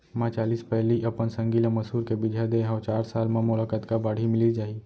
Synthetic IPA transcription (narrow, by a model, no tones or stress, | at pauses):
mãt͡ʃaːliːspɛɦliʔɐpənsə̃ŋɡiləmɐsuːɾkebɪd͡ʒʱad̪eɦãwt͡ʃaːɾsaːlmẽmʊlaːkət̪kabaːɽ̤ʱimɪlid͡ʒaːi